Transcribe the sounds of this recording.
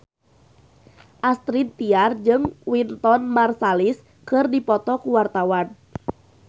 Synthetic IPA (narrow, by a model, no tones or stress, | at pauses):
ʔast̪ɾint̪iard͡ʒɨŋwint̪ɔnmarsalis | kɨrdipɔt̪ɔkuwart̪awan